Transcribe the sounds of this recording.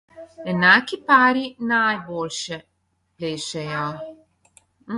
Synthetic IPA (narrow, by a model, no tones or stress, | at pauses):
ɛnakipaːɾinajbolʲʃɛ | pleːʃɛja